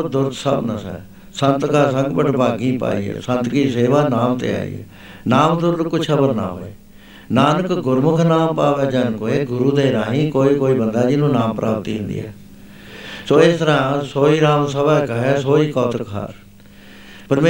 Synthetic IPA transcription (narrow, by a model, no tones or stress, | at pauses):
d̪ʊɾt̪səbnəsɛ̰ː | sənt̪kaːsə̃ŋɡbəʈbaːɡĩːpa̰ːḭːɛ̰ːsə̃nt̪kiːseːʋaːnaːmt̪ḛːa̰ːḭːɛ̰ː | naːmd̪ʊɾd̪kʊt͡ʃʰkʰəbəɾna̰ːɦo̰ːeː | naːnəkɡʊɾmʊkʰnaːmpaːʋɛːd͡ʒənkoːeːɡʊɾuːd̪eːɾaːɦĩːkoːiːkoːiːbənd̪aːd͡ʒɪnũːnaːmpɾʔa̰ːpt̪iːɦɪ̃nd̪ḭːɛ̰ː | soːɪst̪əɾãːsoːiːɾaːmsəbaːkəɦɛːsoːiːkɔːt̪əkɦa̰ɾ | pəɾme